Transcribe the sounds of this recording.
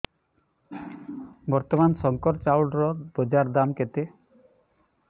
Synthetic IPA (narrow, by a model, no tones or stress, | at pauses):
bɔɾt̪ɔmansɔŋkɔɾt͡ʃawɖɾɔbɔd͡ʒaɾd̪amket̪e